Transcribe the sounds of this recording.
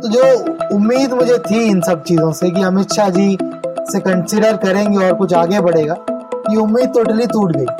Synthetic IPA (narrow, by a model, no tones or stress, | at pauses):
t̪od͡ʒoːʊmːiːd̪mʊd͡ʒʱet̪ʰiɪnsɐb̚t͡ʃiːzõsek̬iɐmɪt̪ʃad͡ʒisekɐ̃nsɪɖəɾkɐɾẽːŋɡeɔːɾkʊt͡ʃʰaːɡebɐɽeːɡaːkiʊmːiːd̪̚t̪oːʈəlit̪uːʈɡɐi